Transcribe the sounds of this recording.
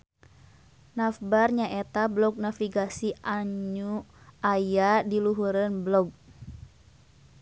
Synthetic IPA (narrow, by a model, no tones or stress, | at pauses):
nafbarɲaʔɛt̪ablɔɡ̚nafiɡasiʔaɲuajadiluɦuɾənblɔɡ̚